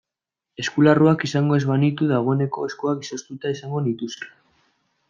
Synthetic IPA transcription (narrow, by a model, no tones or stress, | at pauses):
e̞skularuakisaŋɡo̞e̞zβanit̪uðaɣ̞o̞e̞ne̞ko̞eskoakisost̪ut̪aisaŋɡo̞nit̪usa